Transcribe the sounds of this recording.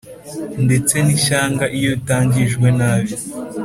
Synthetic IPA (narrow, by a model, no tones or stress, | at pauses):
nde̞t͡se̞niʃaːŋɡaʔijo̞itaːɲɟiʒɡwe̞naːβjo